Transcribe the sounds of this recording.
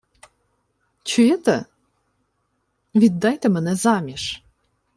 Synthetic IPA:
t͡ɕyet̪ə | vid̪ɑjt̪ə̆mənezɑmʲeʃ

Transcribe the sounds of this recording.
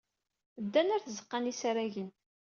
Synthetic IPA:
əd̪ːænæɾθəzəqːɑnisɾæʝən

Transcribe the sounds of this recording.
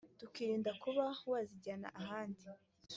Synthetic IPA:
tukiːɾiːndakuβawaːziɟaːna̰ʔaɦaːndi

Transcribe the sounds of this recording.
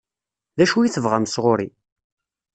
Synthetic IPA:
ðæʃujiθəvʁæmsʁoɾi

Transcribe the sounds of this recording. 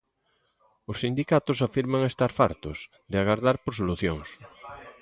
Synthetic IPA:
ʊsːind̪ikat̪ʊsafiɾmaŋest̪aɾfa̰ɾt̪ʊs | ðɪaɣaɾðaɾpoɾs̬oluθjoŋs

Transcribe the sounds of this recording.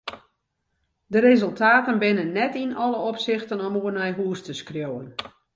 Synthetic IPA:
dəɾezɵlˠtʰaːtənbɪnənːɛtinɔləopsɪxtənɔmuərnɛjɦuəstəskrjowən

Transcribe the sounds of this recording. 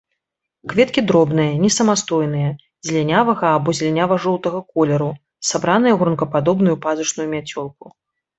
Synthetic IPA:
kvʲɛt̪kʲid̪ɾɔbnɨjɐnʲɛsɐmast̪ɔjn̪ɨjɐ | zʲlʲɛnʲavɐɣɐːbɔzʲlʲɛnʲavɐʐɔlˠt̪ɐɣɐkɔlʲɛɾu | sabɾanɨjɐɣɾunkɐpad̪ɔbnujupazut͡ʂnujumʲat͡sʲɔlˠku

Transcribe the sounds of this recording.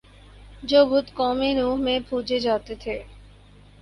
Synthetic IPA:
d͡ʑoɡut̪kɔmenuɦmepud͡ʑed͡ʑat̪et̪ʰe

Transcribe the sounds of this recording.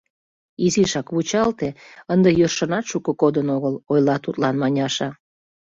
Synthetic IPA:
iziʃɑkβut͡ɕɑlt̪eənd̪ejørʃənɑt̪ʃukəkod̪ənoɣəlojlɑt̪ut̪lɑnmɑnʲɑʃɑ

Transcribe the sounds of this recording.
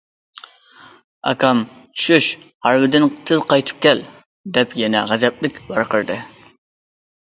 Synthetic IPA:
ɑ̰kʰɑm | t͡ʃʰy̥ʃyʃhɑɾwɪd̪ɪnt̪ʰɨzqɑjt̪ʰɨ̥p̚kʲɛl | d̪ɛpjɛnɛ̰ʁæzɛp̚lɪkʲbɑɾqʰəɾd̪ɨ

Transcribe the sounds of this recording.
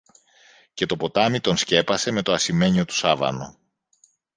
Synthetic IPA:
ce̞t̪o̞po̞t̪ɐmit̪o̞nsce̞pɐse̞me̞t̪o̞ɐsime̞ɲo̞t̪u̥sɐvɐ̰no̞̰

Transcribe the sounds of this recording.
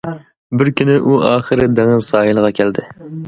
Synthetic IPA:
bɪɾkʲynɪʔuʔɑːχɨɾɪd̪ɛŋɨzsɑːjɨlˠəʁɑkʲʰæld̪ɪ

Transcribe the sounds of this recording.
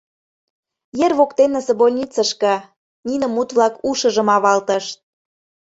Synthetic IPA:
jerβokt̪enəsĕbolʲnʲit͡səʃkɤ̆ | nʲinə̆mːut̪βlɑkuʃə̆ʒə̆mɑβɑlt̪əʃt̪̚

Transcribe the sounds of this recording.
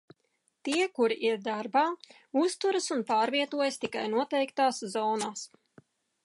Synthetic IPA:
t̪iɛkuɾiʔiɾd̪aɾbaː | ust̪uɾasunpaːɾviɛt̪uɔjast̪ikajnuɔt̪ɛjkt̪aːszɔːnaːs

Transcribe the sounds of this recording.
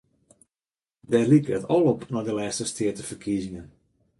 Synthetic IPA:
dɛrlikəətɔlˠɔpnɔdəlɛːstəstʰɪətəfərkʰizɪŋən

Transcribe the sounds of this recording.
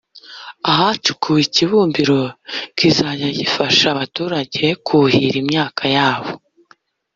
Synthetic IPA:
aɦat͡ʃukʰujiciβuːmbiɾo̞kizajajifaʃaβatuːɾaɟe̞kʰuhiɾimɲaːkʰajaːβo

